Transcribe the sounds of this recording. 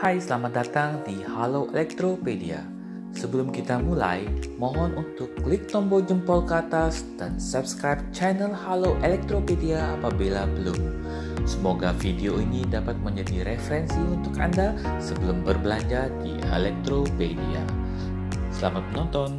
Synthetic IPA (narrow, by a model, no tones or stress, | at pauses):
hajsəlamat̪̚dat̪aŋdihaloʔḛlɛk̚t̪ɾopedia̰ | səbəlʊmkit̪amula̰jmɔ̃ɦɔnunt̪ʊkːlɪk̚t̪ɔmbɔd͡ʒəmpɔlkəat̪asd̥ansap̚skɾajp̚t͡ʃanəlhaloʔelɛk̚t̪ɾopediaːpabilabəlʊm | səmoɡafideoinidapat̪̚məɲd͡ʒadiɾefəɾɛnsiunt̪ʊka̰ndasəbəlʊmbərbəlaɲd͡ʒadḭḛlɛk̚t̪ɾopedia̰ | səlamat̪̚mənɔnt̪ɔn